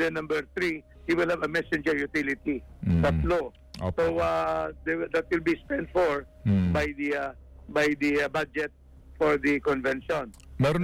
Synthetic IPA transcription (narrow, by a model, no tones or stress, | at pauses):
d̪ɛnɐ̃mbɛɹθɾi | hiwɪlhavɐmɛsɪ̃nd͡ʒɛɹjʊt̪ɪlɪt̪it̪ɐt̪lo | soad̪ɛd̪ɐt̪̚wɪlbispɛ̃nt̪fɔɹ | bajd̪i | bajd̪ibad͡ʒɛt̪̚ | fɔɹd̪ikɔ̃nvɛ̃nʃɔ̃nmɛɾo